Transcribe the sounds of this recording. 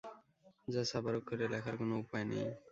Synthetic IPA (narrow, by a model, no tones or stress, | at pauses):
d͡ʑasabaɾokʰːeɾelakʰaɾkonoupajnḛj